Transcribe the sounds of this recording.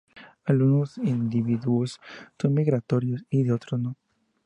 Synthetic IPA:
alɣunosind̪iβiðuossonmiɣɾat̪oɾjosiðeot̪ɾosno

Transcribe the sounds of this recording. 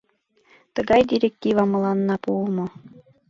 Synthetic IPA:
t̪ɤ̆ɡɑjdʲiɾʲek̚tʲivɑmɤ̆lˠɑnːɑpulˠmɤ̆

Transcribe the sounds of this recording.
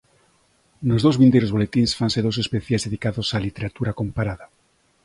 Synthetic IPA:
nozðowzβind̪eɾozβolet̪insfanseðowsespeθjazðeðikaðosalit̪eɾat̪uɾakompaɾaða

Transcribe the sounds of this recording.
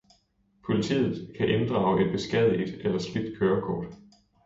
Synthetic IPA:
pʰo̝lit͡sʰḭːð̩ˠkʰæʔe̝nd̥ʁɑ̈ʊʔe̝d̥̚b̥e̝sɡ̥ɛð̰ˠid̥elɐsb̥lid̥kʰøːɐkʰɒ̰ːd̥

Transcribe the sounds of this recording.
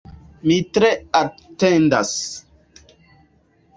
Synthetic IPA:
mitɾeatẽnda̰s

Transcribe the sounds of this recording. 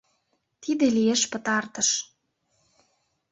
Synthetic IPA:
t̪id̪elieʃpə̆t̪ɑrt̪əʃ

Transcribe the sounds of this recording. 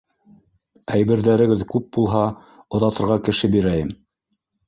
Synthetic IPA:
æjbɘ̆ɾðæɾɘ̆ɡɘðkʉp̚bulˠɦɑ | ŏðɑt̪ɤ̆ɾʁɑkɘ̆ʃɘbiɾæjɘm

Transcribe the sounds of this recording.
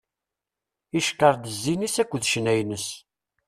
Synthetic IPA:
iʃkəɾˤd̪əzːinisækʷːəðʃnæjnəs

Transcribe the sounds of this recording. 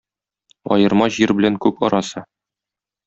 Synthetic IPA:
ɒ̰jɤ̆ɾmɑʑiɾbɘ̆læŋkʉpɒ̰ɾɑsɤ

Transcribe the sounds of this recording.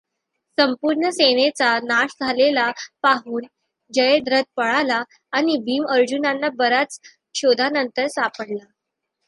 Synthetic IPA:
səmpuɾɳəsenet͡sanaɕd͡zʱalelapaɦuːn | d͡ʑəjed̪ɾəd̪̚pəɭalaː | ñibiːməɾd͡ʑunanːabəɾat͡s | ɕod̪ʱanənt̪əɾsapəɽla

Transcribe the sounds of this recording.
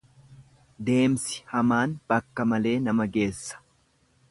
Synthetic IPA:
d̪e̞ːmsɪ̥hɐmaːnb̥ɐkːɐmɐle̞ːnɐmɐɡe̞ːsːɐ̥

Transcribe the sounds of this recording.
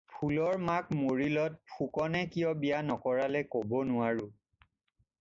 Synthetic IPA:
pʰulɔɹmakmoɹilɔt̚pʰukɔnɛkijɔbijanɔkɔɹalɛkobɔnʊaɹu

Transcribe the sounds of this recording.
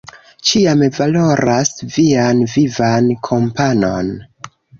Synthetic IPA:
t͡ʃiamevalo̞ɾasvianvivankʰo̞mpano̞n

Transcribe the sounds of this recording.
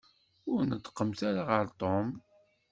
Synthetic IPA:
ʊɾnət̪ːqːəmθaɾaʁəɾt̪ˤom

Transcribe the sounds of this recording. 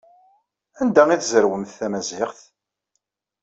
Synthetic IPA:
ænd̪æiθzəɾwəmθːæmæzɪχθ

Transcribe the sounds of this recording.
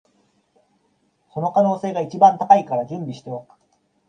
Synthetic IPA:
so̞no̞kano̞ːse̞ːɡait͡ɕibãnt̪akaikaɾad͡ʑɯ̃mbʲiɕi̥t̪ejokɯ̥

